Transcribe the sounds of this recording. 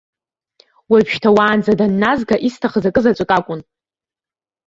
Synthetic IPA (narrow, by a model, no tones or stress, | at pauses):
wapʃtʰawaːnd͡zadanːazɡaʔistʰaχəzakʼɨzat͡ʃʷʼkʼakʷʼʊn